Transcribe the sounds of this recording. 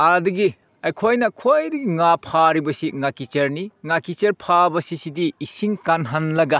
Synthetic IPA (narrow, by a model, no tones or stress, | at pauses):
ɐdiɡi | ɐjkʰojnɐkʰojdiɡiŋapʰaɾibɐsiŋakit͡ʃɐɾniŋakit͡ʃeɾpʰabɐsisidiːsiŋkanɦanlɐɡa